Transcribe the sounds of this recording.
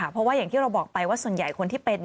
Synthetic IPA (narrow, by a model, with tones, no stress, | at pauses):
pʰɾɔ˦˥waː˥˩ja˨˩t̪ʰiː˥˩ɾa˧wbɔː˨˩k̚pa˧jwaː˥˩su˨˩ənja˨˩jkʰo˧nt̪ʰiː˩pe˧t̪̚n˧